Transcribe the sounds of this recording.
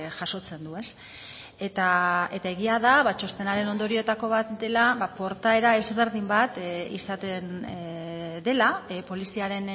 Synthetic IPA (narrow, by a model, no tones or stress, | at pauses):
ʝaso̞t͡se̞nd̪ue̞s | et̪ae̞t̪ae̞ɣiaðaβat͡ʃo̞st̪e̞naɾe̞no̞nd̪o̞ɾio̞t̪ako̞β̞at̪d̪e̞laβapo̞ɾt̪ae̞ɾae̞zβe̞ɾðimbat̪ḭsat̪e̞n | d̪e̞lapo̞lisiaɾe̞n